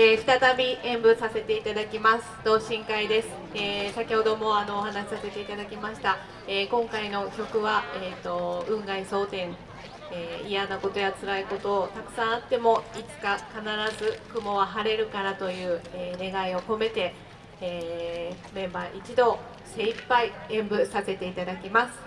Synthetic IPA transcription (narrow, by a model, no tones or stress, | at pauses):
eɸi̥t̪at̪abʲiẽ̞mbɯ̟sase̞t̪e̞it̪ad̪akʲimasɨ̥d̪̥o̞ːɕĩŋkaid̪e̞sɨ̥eːsakʲiho̞d̪o̞mo̞ano̞ːhanaɕi̥sase̞t̪e̞it̪ad̪akʲimaɕi̥t̪a | eːkõ̞ŋkaino̞kʲo̞kɯ̟βaet̪ːo̞ɯ̟̃ŋɡaiso̞ːt̪ẽ̞ŋ | eːijanako̞t̪o̞jat͡sɨɾaiko̞t̪o̞t̪akɯ̟̥sãɰ̃at̪ːe̞mo̞it͡sɨ̥kakanaɾazɨkɯ̟mo̞βaɦaɾe̞ɾɯ̟kaɾat̪o̞jɯ̟ːeːne̞ɡaio̞ko̞me̞t̪e̞ː | mẽ̞mbaʔit͡ɕid̪o̞ː | se̞ipːaiẽ̞mbɯ̟sase̞t̪e̞it̪ad̪akʲimasɨ̥